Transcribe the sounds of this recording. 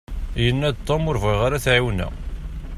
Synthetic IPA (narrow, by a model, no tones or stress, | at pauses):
jənːæd̪̚t̪ˤːomʊɾvʁiʁaɾæθʕiwnæ̰